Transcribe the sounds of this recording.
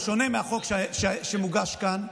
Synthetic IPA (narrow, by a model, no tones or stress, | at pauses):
ʃonemeaχokʃʃeʃemuɡaʃkan